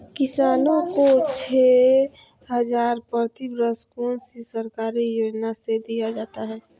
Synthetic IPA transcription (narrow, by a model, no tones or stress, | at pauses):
kɪsaːnõkot͡ʃʰe | ɦəd͡ʒaːɾpət̪ibɾəskoːnsisəɾkaːɾijoːd͡ʒnased̪ijad͡ʒaːt̪aɦɛː